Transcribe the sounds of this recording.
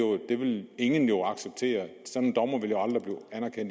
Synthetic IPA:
o̝d̥e̝ʋe̝le̝ŋənjo̝ɑ̈ɡ̥seb̥̚t͡sʰe̝̰ːɐsɒ̽d̥n̩d̥ɒ̽mɐʋe̝ljo̝ɑ̈ld̥ʁib̥liːænæɐkʰen̰d̥

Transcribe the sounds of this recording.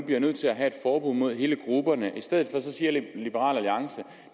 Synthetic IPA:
ub̥liɐnøð̰ˠt͡sʰe̝læɦæe̝d̥fɒːb̥uð̰ˠmo̝ð̞̰ˠɦe̝ːləɡ̥ʁub̥ɐnəʔisd̥eð̞̰̩ˠfɒ̽sɒ̽siːɐlib̥əʁɑ̰̈ːlæliɑ̈ŋsə

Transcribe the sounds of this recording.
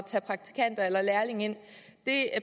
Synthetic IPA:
t͡sʰæːpʰʁɑ̈ɡ̥̚t͡sʰi̥kʰæn̰d̥ɐelɐlæɐle̝ŋe̝n̰d̥e̝

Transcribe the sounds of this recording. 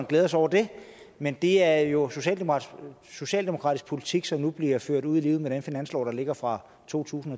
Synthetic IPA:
nɡ̥leːðˠs̬ɒʊ̰ɐd̥e̝ | mend̥e̝æɐjo̝so̝ɕɛ̰ːld̥emoɑ | so̝ɕɛ̰ːld̥emoʁɑ̰̈d̥isɡ̥̚pʰo̝lit͡sʰiɡ̥sɒ̽mnub̥liɐføɐ̰ɾuð̞̰ˠiliːʊð̩ˠmeɾ̥enfinæn̰slɒ̰ːd̥ɑ̈le̝ɡ̥ɐfʁɑ̈ | t͡sʰo̝̰ːt͡sʰṵːsn̩ɒ̽

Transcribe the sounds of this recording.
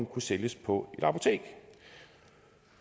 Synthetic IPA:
nkʰuseljəspʰɒ̽e̝d̥ɑ̈pʰo̝t͡sʰe̝̰ːɡ̥

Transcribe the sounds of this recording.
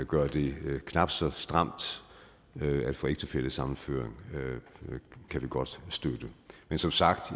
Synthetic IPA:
ɡ̥ɶɐd̥e̝kʰnɑ̈b̥sɒ̽sd̥ʁɑ̈m̰d̥ | æd̥fɔ̽ːeɡ̥̚ʰe̝fel̰əsɑ̈mn̩føɐ̰eŋ | kʰæʋiɡ̥ɒ̽d̥sd̥ød̥əmensɒ̽msɑ̈ɡ̥d̥

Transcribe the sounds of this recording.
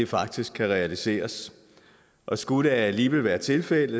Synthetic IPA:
efɑ̈ɡ̥̚d̥isɡ̥̚kʰːæʁɛælise̝̰ːɐs | ʔɒ̽sɡ̥uɾ̥əæliːʋel̰ʋæːɐt͡sʰe̝lfel̰ð

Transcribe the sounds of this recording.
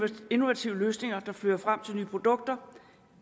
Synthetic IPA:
e̝no̝ʋæt͡sʰiʊ̰əløːsne̝ŋɐd̥ɑ̈fløðˠɐfʁam̰t͡sʰe̝lnyːpʰʁo̝d̥ɔ̽ɡ̥̚d̥ɐ

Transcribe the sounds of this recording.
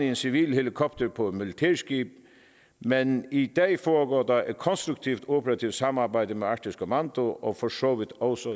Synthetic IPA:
iensɪʋiːlhɛlɪkʰɔpt̪ʰəɹpʰɔmɪlɪt̪ʰɛːskiːb̥̚ | mɛnid̪ɛːfɔːɡoːd̪ɑɛt̪̚kʰɔnst̪ɾʉk̚t̪ʰiwt̪ʰopʰəɾat̪ʰiʊt̪sɑmːɑːbæɪd̪əmɛɑkʈɪskəmɑnd̪ʊʔɔfɔsoːʋɪd̪ɔlsɔ

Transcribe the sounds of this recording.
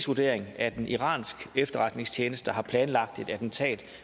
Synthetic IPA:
sʋod̥e̝ɐ̰e̝ŋæd̥enʔiʁɑ̰̈ːnsɡ̥efd̥ɐʁɑ̈d̥ne̝ŋst͡ɕʰjeːnəsd̥əɦɑ̈pʰlɛːnlɑ̈ɡ̥̚d̥e̝d̥æd̥n̩t͡sʰɛ̰ːd̥

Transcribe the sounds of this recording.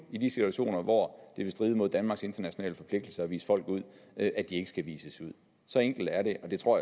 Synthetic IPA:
id̥isit͡sʰuæɕo̝̰ːnɐʋɒd̥e̝ʋe̝sd̥ʁiːðˠmo̝ð̞̰ˠd̥ænmɑ̈ɡ̥se̝nd̥ɐnæɕo̝nɛ̰ːləfɒ̽pʰle̝ɡ̥̚d̥l̩sɐɒʋḭːsə̥fɒ̽l̰ɡ̥uð̞̰ˠʔæd̥ie̝ɡ̥ə̥sɡ̥æʋḭːsəsuð̞̰ˠ | sɒ̽eŋɡ̥l̩d̥æɐɾe̝ʔɒ̽d̥e̝t͡sʰʁo̝ɐ̰j

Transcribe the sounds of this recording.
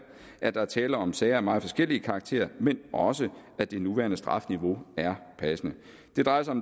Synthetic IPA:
ʔæd̥ɑ̈æɐt͡sʰɛːlɐɒ̽msɛɪɐæɐmɑ̈ːfɒ̽sɡ̥el̰iəkʰɑ̈ːɡ̥̚t͡sʰe̝̰ːɐmenʔɒ̽səæd̥e̝nuʋæːɐnəsd̥ʁɑ̈fniʋo̝æɐpʰæsənə | d̥e̝d̥ʁɑ̈ɪɐsɑɒ̽m

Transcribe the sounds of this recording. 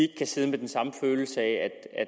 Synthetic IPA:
eɡ̥ə̥kʰæse̝ðˠmed̥ensɑ̈məføːl̩səɛæd̥æ

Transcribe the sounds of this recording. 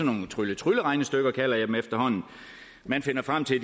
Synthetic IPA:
ɒno̝ːt͡sʰʁylət͡sʰʁyləʁɑ̈ɪnəsd̥øɡ̥ɐkʰælɐjd̥emefd̥ɐhɒ̽n̰n̩ˠ | mænfe̝nɐfʁam̰t͡sʰe̝ld

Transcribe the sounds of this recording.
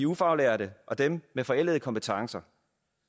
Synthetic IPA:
iufɑ̈ʊleːɐɾəʔɒ̽d̥emmefɒ̽el̰ðˠkʰɒ̽mpət͡sʰɑ̈ŋsɐ

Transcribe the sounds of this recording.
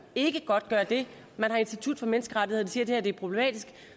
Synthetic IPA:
e̝ɡ̥əɡ̥ɒ̽d̥̚ɡ̥ɶːɐd̥e̝ | mænhɑ̈e̝n̥sd̥it͡sʰud̥ˠfɒ̽menəsɡ̥əʁäɾiheðˠd̥isiːɐd̥e̝hæɐd̥e̝æɐpʰʁob̥le̝mɛ̰ːd̥isɡ̥

